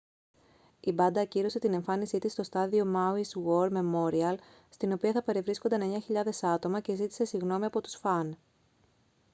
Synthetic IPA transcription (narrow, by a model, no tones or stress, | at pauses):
ibɐnd̪ɐciɾo̞se̞t̪ine̞ɱfɐnisit̪ist̪o̞st̪ɐðio̞mɐuiswo̞ɾme̞mo̞ɾiɐl | st̪ino̞piɐθɐpe̞ɾevɾisko̞nd̪ene̞ɲɐçiʎɐðe̞sɐt̪o̞mɐce̞zit̪i̥se̞siɣno̞miɐpo̞t̪u̥sfɐn